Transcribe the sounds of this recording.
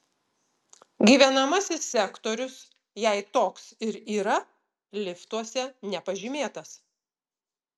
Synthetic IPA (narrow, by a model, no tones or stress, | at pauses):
ɡʲiːʋʲɛnɐmɐsʲɪsːʲɛkt̪ɔɾʲʊs | jɛɪt̪oːksɪɾiːɾɐ | lʲɪft̪uɔsʲɛnʲɛpɐʒʲimʲeːt̪ɐs